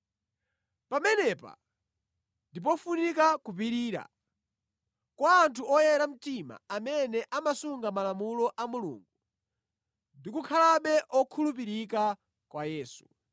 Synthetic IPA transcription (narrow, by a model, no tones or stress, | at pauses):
pamɛnɛpa̰ | ndip̬ɔfunikakup̬iɾiːɾa̰ | kwaːntʰuɔjɛɾam̩tima̰amɛnɛʔamasuŋɡamalamulɔʔamulṵːŋɡu | ndikukʰalaɓɛʔɔkʰulup̬iɾik̬a | kwajɛːsu̥